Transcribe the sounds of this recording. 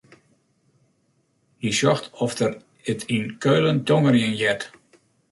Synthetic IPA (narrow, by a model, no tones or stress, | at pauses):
hisɔxtʰɔfdər | ətʰinkʰøːləntʰɔŋərjənjɛt